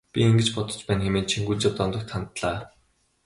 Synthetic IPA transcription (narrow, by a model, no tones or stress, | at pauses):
pʲieŋɡɘ̆t͡ɕpɔt̪ɞ̆t͡ɕpæːnxemeːnt͡ɕʰiŋɡut͡ɕap̚t̪ɔnt̪ɞ̆kt̪χant̪ɮaː